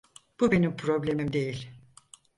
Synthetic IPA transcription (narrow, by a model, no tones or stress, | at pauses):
b̥ube̞nimpʰɾo̞blʲe̞mimd̪e̞jilʲ